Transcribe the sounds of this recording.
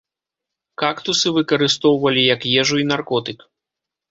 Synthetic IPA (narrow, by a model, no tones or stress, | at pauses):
kakt̪usɨvɨkɐɾɨst̪ɔwvɐlʲijɐkjɛʐuinarkɔt̪ɨk